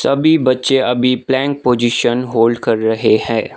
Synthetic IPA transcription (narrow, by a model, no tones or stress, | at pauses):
sɐbʱibɐtːʃeɐbʱiplɛ̃ːŋk̚poːd͡ʒiʃənɦoːlɖkɐɾːɐɦehɛ̃ː